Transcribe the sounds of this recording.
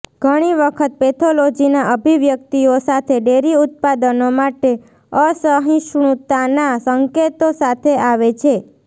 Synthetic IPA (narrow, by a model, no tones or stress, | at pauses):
ɡʱəɽ̃iʋəkʰət̪̚pet̪ʰolod͡ʒinaʔəbʱiʋjək̚t̪iosat̪ʰeɖeɾiʊt̪̚pad̪ənomaʈe | əsəɦĩʃɳ̃ut̪anasəŋket̪osat̪ʰeaʋet͡ʃʰe